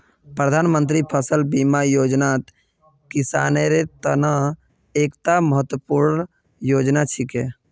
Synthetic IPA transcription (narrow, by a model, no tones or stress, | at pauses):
pɾəd̪ʱanmənt̪ɾipʰəsəlbimajod͡ʒnat̪ | kisaneɾet̪ənə | ekt̪aməɦət̪wəpuɾn | jod͡ʒnat͡ʃʰike